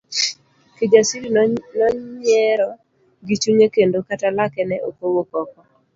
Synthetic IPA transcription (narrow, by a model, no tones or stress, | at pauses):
ked͡ʒasiɾinɔɲɛɾɔ | ɡit͡ʃuɲekendokatalakɛnɛʔokowokɔkɔ